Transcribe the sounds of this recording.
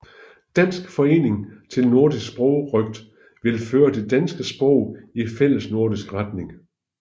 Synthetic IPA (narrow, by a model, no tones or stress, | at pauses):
d̥æn̰sɡ̥fɒ̽e̝̰ːne̝ŋt͡sʰe̝lno̝ɐdissb̥ʁɔʊʁœɡ̥̚d̥ | ʋe̝lføːɐd̥e̝d̥ænsɡ̥əsb̥ʁɔʊ̰ifel̰əsno̝ɐ̰disɡ̥ʁad̥ne̝ŋ